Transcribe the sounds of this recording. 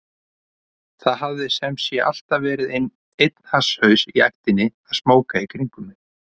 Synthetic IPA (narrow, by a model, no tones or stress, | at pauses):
θaðɦavðɪsɛmsjɛʔa̰l̥t̪avɛːɾɪðejn | ejt̪n̥hashœːɥsiajht̪ɪnːɪaðsmoːwkaikʰɾiŋkʏmɪ